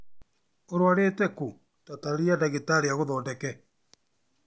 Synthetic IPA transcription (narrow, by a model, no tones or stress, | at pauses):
oɾwaɾetɛku | tataɾiadaɣetaɾeaɣoðɔːdɛkɛ